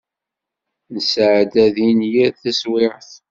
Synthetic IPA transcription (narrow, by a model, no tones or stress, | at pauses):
nəsʕd̪æðinjæðθæswɪɾθ